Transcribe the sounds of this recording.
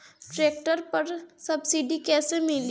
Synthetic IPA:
ʈɾeːk̚ʈəɾpɐɾsɐbsiːɖikɛːsemɪl

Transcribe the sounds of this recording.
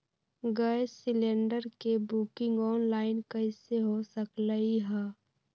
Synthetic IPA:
ɡəesɪlẽːɳɖəɾkebuːkɪ̃ŋɡɔːnlaːɪnkəɪseɦosəkləiɦɛː

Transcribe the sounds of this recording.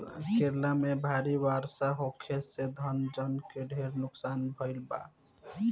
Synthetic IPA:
keɾlamebʱaɾiʋaɾsaɦokʰesed̪ʱənd͡ʒənkeɖʱeɾnʊksaːnbʱəɪlba̰

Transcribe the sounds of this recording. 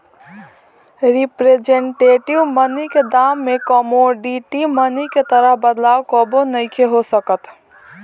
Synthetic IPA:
ɾipɾed͡ʒeɳʈeʈiʋməniked̪amːekɔmoɖiʈiməniket̪əɾəɦbəd̪laːwkɔbonəɪkʰeɦosəkət̪

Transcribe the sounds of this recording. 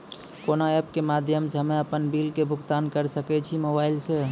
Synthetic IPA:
konaɛp̚kemad̪ʱjəmsəmeəpənbilkebʱuɡt̪ankəɾsəkɛt͡ʃʰimobailse

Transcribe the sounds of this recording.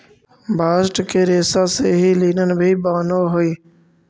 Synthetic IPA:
bʱaːsʈkʰeːɾeːsaːseːɦiːliːnənbʱiːbaːnoːɦʊiː

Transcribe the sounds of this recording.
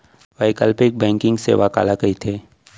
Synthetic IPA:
ʋaɪkəlpɪk̚bɛ̃ːŋkɪ̃ŋɡsḛʋaka̰ːlakɐit̪ʰeː

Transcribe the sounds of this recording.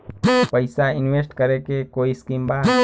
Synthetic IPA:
pajsainwest̪kaɾekekoiskimba

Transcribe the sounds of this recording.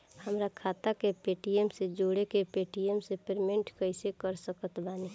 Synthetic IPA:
həmɾakʰaːt̪akepeːʈiemsed͡ʒoːɽekepeːʈiemsepeɾmẽɳʈkəɪsekəɾsəkət̪baːni

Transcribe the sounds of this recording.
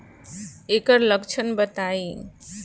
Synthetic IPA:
ekəɾləkt͡ʃʰənbət̪ai

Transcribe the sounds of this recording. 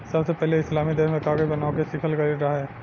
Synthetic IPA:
sɐbsepɛɦleɪslaːmid̪eːɾmẽkaːɡəjbɐnaːõkesikʰəlkɐɾiɾaɦaɦɛː

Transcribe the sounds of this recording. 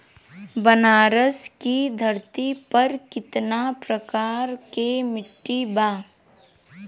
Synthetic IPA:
bənaːɾəskid̪ʱɐɾt̪ipɐɾkɪt̪napɾəkaːɾkemɪʈːibaː

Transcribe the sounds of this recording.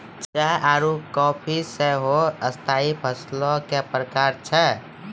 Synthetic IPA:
t͡ʃaɦaɾukɔpʰiseɦoəst̪ʰaipʰəslɔ̃kepɾəkaɾt͡ʃʰɛ

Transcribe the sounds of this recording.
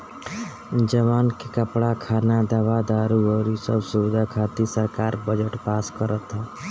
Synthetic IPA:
d͡ʒəʋaːnkekəpɽakʰaːnad̪əʋad̪aːɾuɔːɾisəbsuʋɪd̪ʱakʰaːt̪isəɾkaːɾbəd͡ʒəʈpaːskəɾət̪ɦaː

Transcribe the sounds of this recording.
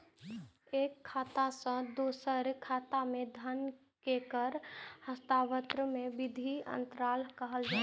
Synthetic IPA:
eːkʰːaːt̪asə̃d̪oːsəɾkʰaːt̪amẽd̪ʱən | kekəɾhəst̪abət̪ɾəmẽbɪd̪ʱiə̰nt̪ɾalɦkəɦəld͡ʒa

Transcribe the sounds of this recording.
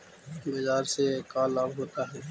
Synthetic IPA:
beːzaːɾsekaːlãːɡɦoːt̪aːɦɛː

